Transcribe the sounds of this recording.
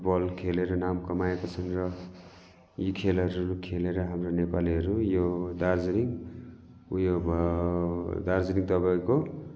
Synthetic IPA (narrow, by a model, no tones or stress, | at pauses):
ʈbʌlkʰeleɾʌnamkʌmaekot͡sʰʌnrʌ | jikʰelʌɾuukʰeleɾʌɦamronepaliɦʌɾujod̪ard͡zɾiŋ | ujobʱ | d̪ard͡zɾiŋt̪ʌbaĩko